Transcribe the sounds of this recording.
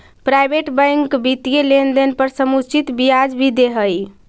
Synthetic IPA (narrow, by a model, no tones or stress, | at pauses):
pɾajbeʈbəjŋkbit̪ijelend̪enpəɾsəmut͡ʃʰit̪bijad͡ʒbʱid̪eɦəj